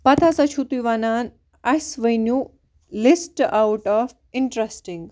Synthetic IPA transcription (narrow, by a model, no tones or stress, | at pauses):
pɐt̪ʰasɐt͡ʃʰut̪ujʋanaːn | ɐsʋəjnju | lisʈawʈɔf | ɪɳʈɾesʈiŋɡ